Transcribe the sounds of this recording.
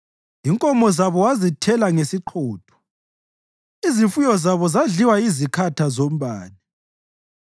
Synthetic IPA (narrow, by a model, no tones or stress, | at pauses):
iŋkʼɔmɔzaβɔwazitʰɛlaŋesiǃʰɔːtʰɔ̥ | izifujɔzaβɔzaɮiwaizikʰatʰazom̩βaːni